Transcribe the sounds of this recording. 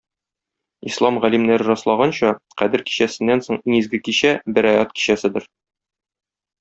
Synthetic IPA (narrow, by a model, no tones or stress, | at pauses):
islˠɑmʁælimnæɾɘɾɒslˠɑʁɑnɕɒqæd̪ɘɾki̥ɕæsɘ̆nːænsoɴiŋizɡɘkiɕæbɘ̆ɾæjɑt̪̚ki̥ɕæsɘd̪ɘɾ